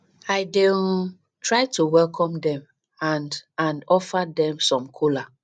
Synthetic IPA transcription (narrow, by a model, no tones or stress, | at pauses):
aɪden | tʰɹaɪtuwɛlkʰɔ̃mdɛ̃m | ãndãnɔfadɛ̃msɔ̃mkʰola